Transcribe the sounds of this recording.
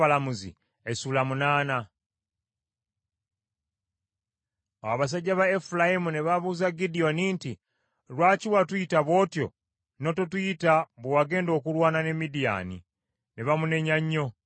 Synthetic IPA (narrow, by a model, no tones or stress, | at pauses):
alamuzḭ | esulamunaːna | aaβas̬aɟːaβaefulajimuneβaβuːzaɡidio̞niːnti | lwaːciwatujitaβwo̞ːtjo̞̰ | no̞totujitaβuwaɡe̞ːndo̞ːkulwaːnane̞midija̰nḭ | neβamune̞ɲaɲːo̞